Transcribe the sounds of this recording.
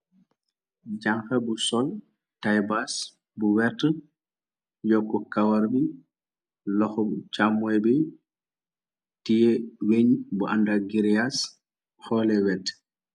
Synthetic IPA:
d͡ʒaŋkabusɔl | tajbas | buwɛɾtə | jɔkːɔkawaɾbi | lɔxɔt͡ʃamuɛbi | tijɛweɲbuʔandaɡiɾias | xɔːlɛwɛtː

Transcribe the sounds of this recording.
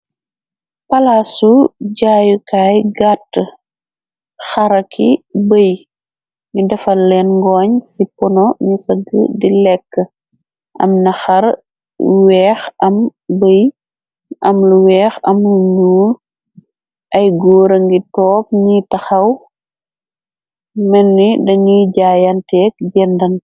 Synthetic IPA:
pɐlasuɟaːjukaːjɡatː | xɐɾɐkʰibəj | ɲudɐfɐlɛnŋɡɔːɲsipɔnɔɲusɐɡə̰dilɛkːə | ɐ̰mnɐxɐɾ | wɛːxɐmbəj | ʔɐmluwɛːxɐmluɲuːl | ʔɐjɡoːɾɐŋɡitɔːp̚ɲitɐxɐw | mɛnːidɐɲuɟaːjɐntɛːk̚ɡɛndɐn

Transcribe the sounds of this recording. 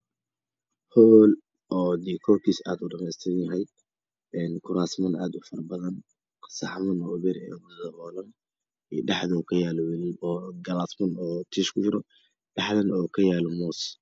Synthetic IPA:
hɔːl | ʔɔːd̪iːkʰɔkʰiːsaːd̪ʊɖɐmɛst̪ʰɛnɐɦɛjd̪̚ | ɛnkʰʊɾaːsmɐna̰ːd̪ʊfɐrɐbɐðɐn | sɑ̰ħmɐnɔːʊβɛɾɛ̰ːʊbɐðɐhɔːlɐn | ḭːɖɑħðɔkʰɐjaːlɔwɐliɔːɡɐlaːsmɐnɔːt̪ʰiːʃkʰʊt͡ʃɪɾɔ | ɖɑħðɐnɔːkʰɐjaːlɔmɔːs

